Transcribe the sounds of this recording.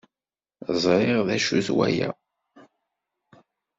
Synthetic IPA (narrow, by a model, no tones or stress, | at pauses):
zˤɾˤiʁðæʃuθwæ̰jæ̰